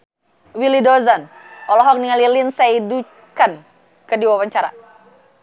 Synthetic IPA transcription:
wilidɔzan | ɔlɔɦɔk̚niŋalilinsaidu | kan | kədiwawaɲt͡ʃaɾa̰

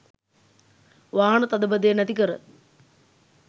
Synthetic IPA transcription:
ʋaːɳɨt̪ɐd̪ɐbɐd̪enɐd̪ikɐrɨ̰

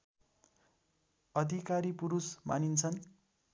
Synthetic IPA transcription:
ʌd̪ʱikaɾipuɾusma̰nint͡sʰʌn

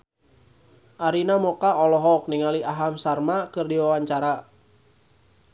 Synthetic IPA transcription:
ʔaɾinamɔkaɔlɔɦɔk̚niŋaliaɦamsarmakɨrdiwawaɲt͡ʃaɾa

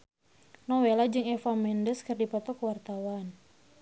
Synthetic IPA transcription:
nɔwelad͡ʒɨŋɛfamɛndəskɨrdipɔt̪ɔkwart̪awan

